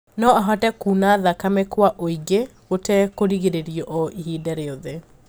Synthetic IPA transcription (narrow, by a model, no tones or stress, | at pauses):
nɔaɦɔtɛkuːnaðakamɛkwaʔoiɡe | otɛkoɾiɣeɾeɾjɔʔɔʔihidɛɾeoðe